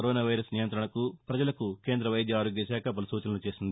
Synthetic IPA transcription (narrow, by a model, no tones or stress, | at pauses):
ɾoːnaːʋɐjɾɐsnijɐnt̪ɾɐɳɐkupɾɐd͡ʒɐlɐkuke̞ːnd̪ɾɐʋɐjd̪jɐaːɾoːɡjɐsæːkʰɐbɐlɐsuːt͡ʃɐnɐlut͡ʃe̞ːsind̪i